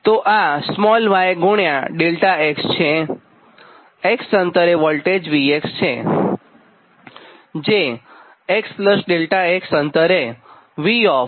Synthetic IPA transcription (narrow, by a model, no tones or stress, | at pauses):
t̪oʔasmɔlʋajeɡʊɳjaɖelʈaekst͡ʃʰe | eksənt̪əɾeʋəlʈed͡ʒʋiekst͡ʃʰe | d͡ʒe | ekspləsɖelʈaeksənt̪əɾe | ʋiɔ